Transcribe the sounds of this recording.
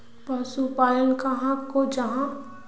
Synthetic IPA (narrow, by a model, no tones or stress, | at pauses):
pɐsupaːjənkaɦãkod͡ʒɐɦã